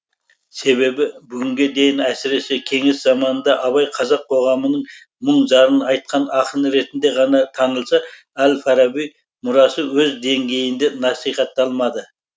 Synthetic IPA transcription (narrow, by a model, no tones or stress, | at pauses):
se̞βe̞bɪbʏɡʲɪŋɡʲe̞d̪e̞jɪnæsɪɾe̞se̞kʲʰe̞ŋɪszɑmɑnənd̪ɑʔɑβɑjqʰɑzɑqʰo̞ʁɑmənəɴ | məɴʒɑɾənɑjt̪̚qʰɑnɑqənəɾe̞t̪ɪnd̪e̞ʁɑnɑt̪ʰɑnəlˠsɑ | ælfɑɾɑbij | mʊɾɑsəwɵzd̪e̞ŋɡʲe̞jɪnd̪enɑsijχɑt̪ːɑlˠmɑd̪ə